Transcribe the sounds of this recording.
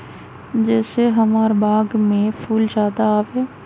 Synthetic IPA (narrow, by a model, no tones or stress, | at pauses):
d͡ʒɛːseɦɐmaːɾbaːɡmẽpʰuːld͡ʒaːd̪aaːʋɛː